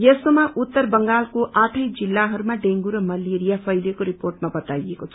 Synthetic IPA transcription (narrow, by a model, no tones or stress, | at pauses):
jesomaʔutt̪ːʌrbʌŋɡalkoʔaʈʰʌjd͡zilːaɦʌɾumaɖeŋɡuɾʌmʌleɾijapʰʌjlekoɾiporʈmabʌt̪ajekot͡sʰʌ